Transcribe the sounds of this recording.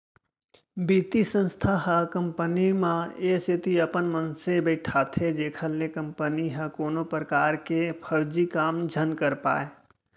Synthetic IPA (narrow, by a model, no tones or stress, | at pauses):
biːt̪isə̃nst̪ʰaɦəkə̃mpənimãeset̪iəpənmənsebəɪʈʰaːt̪ʰed͡ʒeːkʰəlːekə̃mpəniɦəkoːnopɾəkaːɾkepʰəɾd͡ʒikaːmd͡ʒʱənkəɾpa̰ːe